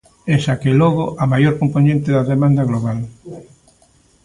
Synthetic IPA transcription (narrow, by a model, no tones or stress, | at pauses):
ɛsakelɔɣoʔɐmajoɾkomponẽnt̪ɪðɐðemãnd̪ɐɣloβ̞al